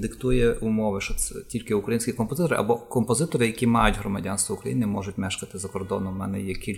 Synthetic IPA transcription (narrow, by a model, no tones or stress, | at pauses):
d̪ɪkt̪ujɛumɔʋɪʃɔɛtʲilʲkɪʊkɾɐjinʲsʲkʲɪkɔmpɔzɪt̪ɔɾɪ̰ʔɐ̰bɔkɔmpɔzɪt̪ɔɾɪjɐkʲimɑjʊtʲɦɾɔmɐdʲanst̪ʋɐukɾɐjinɪmɔ̰ʒʊtʲmɛʃkɐt̪ɪzɐkɔrd̪ɔnɔmmɛnɛjɛkʲilʲ